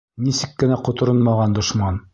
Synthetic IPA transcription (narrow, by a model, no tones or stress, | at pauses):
nisɘkːɘ̆næqŏt̪ŏɾonmɑʁɑnd̪ŏʃmɑn